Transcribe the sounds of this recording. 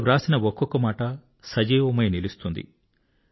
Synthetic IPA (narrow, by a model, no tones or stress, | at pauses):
ɾaːsinɐɔkːɔkːɐmaːʈɐ | sɐd͡ʒiːʋɐmɐjnilist̪und̪ḭ